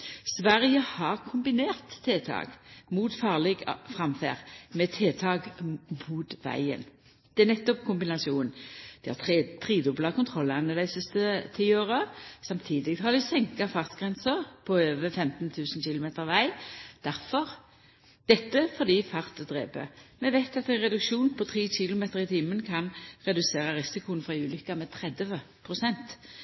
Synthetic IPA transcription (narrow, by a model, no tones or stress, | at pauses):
sʋæʁɪjəhɑʁkʰʊmbɪneːʁt̪ʰːeːt̪ʰɑ̰ːɡmuːt̪fɑːʁlɛɡfʁɑmfæ̰ːʁmɛt̪ʰeːt̪ʰɑːɡmuːt̪ʋæ̰ɪə̰n | d̪̥ɛænɛt̪ːɔpkʰʊmbɪnɑsɪuːnd̪̥ɪhɑ̰t̪ʰʁiːd̪ʊblɑkʰʊnt̪ʰʁɔlːɑnəd̪æɪsɪst̪ət̪ʰiːoːʁəsɑmt̪ʰiːd̪ɪɡ̪hɑd̪ɪsɛŋkɑfɑʁt̪ɡ̥ʁɛnsəʁpʰɔøːʋəfɛmt̪nt̪ʰʉːsn̩çɪlʊmeːt̪əʁʋæɪd̪̥æʁfɔʁ | d̪̥ɛt̪ːəfɔd̪iːfɑʁt̪d̪ʁḛːpə̰mɛʋæɪt̪ɑt̪æɪnʁɛd̪ʉkʃuːnpʰɔt̪ʰʁiːɕɪlʊmeːt̪əʁɪt̪ʰiːmənkʰɑnʁɛd̪ʉseːʁɑʁɪsɪkʊənfʁɑʉːlʏkːɑmɛːt̪ʰɾɛd̪ə | pʰʁʊsɛnt̪